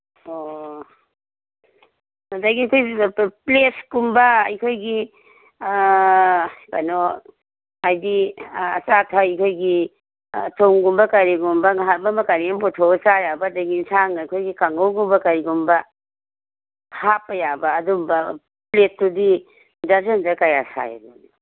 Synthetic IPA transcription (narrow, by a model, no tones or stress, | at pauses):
o | daɡijkʰojpleskumbɐːjkʰojɡi | pa̰no | ajdiɐ̰satʰaikʰojɡi | tʰoŋɡumbɐkaɾiɡumbɐŋɦatbɐmɐkaɾipɔtʰosajabɐdaɡinsaŋajkʰojɡikaŋɡowɡumbɐkaɾiɡumbɐ | hapːɐjabɐːdumbɐ | plestudi | dazendɐkajasa̰ja̰dṵni